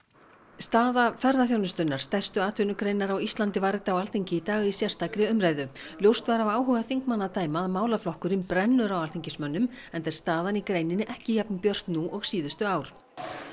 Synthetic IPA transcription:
st̪aːðafɛɾðaθjownʏst̪ʏnaɾ̥st̪ɛ̥st̪ʏaːt̪ʰʏnʏkɾejnːaɾawist̪lant̪ɪvaɾɪt̪awalθiɲcɪit̪aːɣisjar̥st̪akɾɪʏmɾaːjðʏljowrst̪vaɾavaːwɦœːɣaθiŋkmanːat̪aːjmaðmaːwlaflɔhkʏɾɪmpɾɛnːʏɾawalθiɲcɪsmœnːʏmɛnt̪ɛɾ̥st̪aːðanikɾejnɪnɪʔɛhcɪçɛpnpjœr̥t̪nuʔɔɣsiːðʏst̪ʏaːwɾ̥

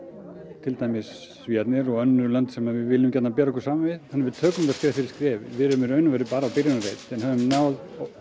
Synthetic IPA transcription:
t̪ʰɪlt̪aːjmɪs | viːat̪nɪɾɔɣœnːʏɾlant̪sɛmavɪðvɪlɪmcɛt̪nap̬ɛːɾaɔkʏ̥saːmavɪðhanɪɾvɪðt̪ʰœːkʏmɪt̪askɾɛːvafɪɾɪ̥ɾskɾɛːvvɪðɾɛmɪɾœːɥnʏmvɛːɾʏpaːɾaːwpɪɾjɪnaɾejt̪ɛnhœvʏmnaːwð

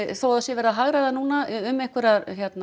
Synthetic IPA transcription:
θowaðsjɛvɛːɾðaɦaɣɾaðanuːnaʏmɛhkvʏɾaɾçjɛt̪na

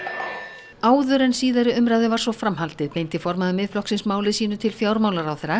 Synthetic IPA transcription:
aːwðʏɾɛnsiːðaɾɪʏmɾaðɪvaɾsvɔfɾamɦalt̪ɪðpejnt̪ɪfɔɾmaðʏmɪðflɔhksɪnsmaːwlɪsiːnʏt̪ʰɪlfjaːwɾmaːwlaɾawθɛɾa

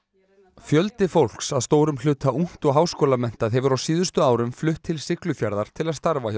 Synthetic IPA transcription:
fjœlt̪ɪfowl̥ksaðst̪oːwɾʏml̥ʏːt̪ʰauŋ̥t̪ɔɣɦaːwskɔːlamɛn̥t̪aðɦɛvʏɾawsiːðʏst̪ʏaːwɾʏmflʏht̪ʰːɪlsɪklʏfjaɾðaɾ̥t̪ʰɪlaðst̪aɾva

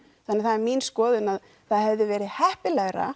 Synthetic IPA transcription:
θanːɪθaɛɾmiːnskɔːðɪnað | θaðhɛvðɪvɛːɾɪðhɛhpɪlɛɣɾa̰

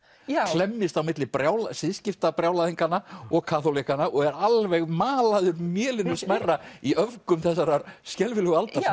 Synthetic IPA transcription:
klɛmːɪst̪awmɪt̪lɪpɾjaːwlasɪðscɪft̪apɾjawlaðiŋkanːaɔɣkʰaθolikanaʔɔɣɛɾalvɛɣmaːlaðʏɾmjɛːlɪnʏsmarːaiœvkʏmθɛs̬ːaɾaɾskcɛlvɪlʏɣalt̪aɾ

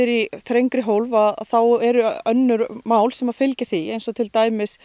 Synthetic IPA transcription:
ɪɾiθɾejŋkɾɪɦowlvaðθawɛɾʏœnːʏɾmaːwlsɛmḁfɪlcɪθiejnsɔt̪ʰɪlt̪aːjmɪs

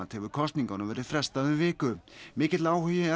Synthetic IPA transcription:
t̪hɛvʏɾkʰɔst̪niŋkawnʏmvɛːɾɪðfɾɛst̪aðʏvɪːkʏmɪːcɪt̪laːwhʏjɪa

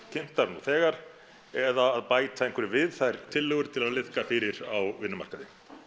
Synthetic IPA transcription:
cʰɪm̥t̪aɾnuθɛːɣaɾ̥ | ɛðaːðpaːjt̪aenŋkvɛɾɪvɪðθajɾ̥t̪ʰɪlːœːɣʏɾt̪ʰɪlaðlɪðkafɪːɾɪɾawvɪnːʏma̰ɾkaðɪ

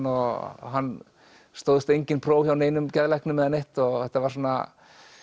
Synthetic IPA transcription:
ɔɦanː | st̪oːwðɪst̪ejɲcɪnpʰɾoːwçjawneːjnʏmcaðlɛhknʏmːɛðanejht̪ɔɣθɛht̪avaɾ̥sɔːnːa̰

